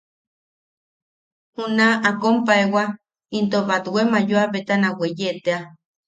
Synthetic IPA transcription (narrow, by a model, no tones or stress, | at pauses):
hunaʔakompaewa | int̪oβat̪wemajoaβet̪anawejet̪ea